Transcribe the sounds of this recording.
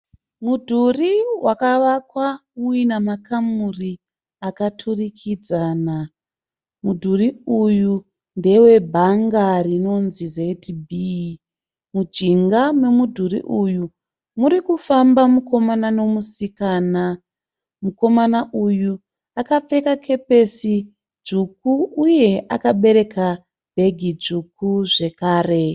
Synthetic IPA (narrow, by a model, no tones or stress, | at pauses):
mudʱuriwʔakaʋakwauinamakamuri | akatʰurikʰid͡zaːna | mudʱuriuju | nde̞we̞bʱaŋɡarino̞nzizetbʱi | mud͡ʒiŋɡamwe̞mudʱuɾḭʔuju | muɾikufambamuko̞manano̞musikaːna | muko̞manaʔuju | akap͡fe̞kakʰe̞pe̞si | d͡ʒukuʔːje̞ʔa̰kaɓe̞ɾe̞kʰa | b̥ʱe̞ɡʱid͡ʒukuʐe̞kaːre̞